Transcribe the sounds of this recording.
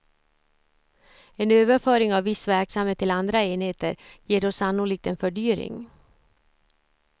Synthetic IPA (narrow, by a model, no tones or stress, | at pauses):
eːnøːʋəføːɾɪŋɑːʋʋɪsʋæɾksɑmeːt̪ʰːɪlɑnd̪ɾəeːnheːt̪ə̰ɾjiːɾɔsɑnʊlɪk̚t̪eːnfœɖyːɾɪ̰ŋ